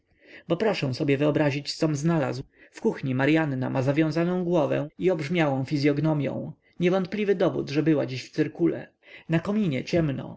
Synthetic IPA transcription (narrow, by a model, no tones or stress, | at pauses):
bɔpɾɔʂɛ̃w̃sɔbʲjɛvɘɔbɾaʑit͡ɕssɔmznala̰zw | fkuxɲimaɾjanːa̰mazavʲjɔ̃w̃zanɔ̃w̃ɡwɔvɛ̰̃iɔbʐmʲjawɔ̃w̃fʲizʲjɔɡnɔmʲjɔ̰̃w̃ | ɲɛvɔnt̪̚plʲivɘd̪ɔvṵd̪ʐɛbɘwad͡ʑiɕft̪sɘɾkulɛ̰ | nakɔmʲiɲɛt͡ɕɛmnɔ̰